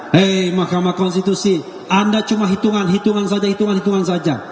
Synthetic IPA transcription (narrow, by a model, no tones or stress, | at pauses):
emahkamakɔnst̪it̪usi | andat͡ʃumaɦit̪uŋanɦit̪uŋans̬ad͡ʒahit̪uŋanhit̪uŋansad͡ʒa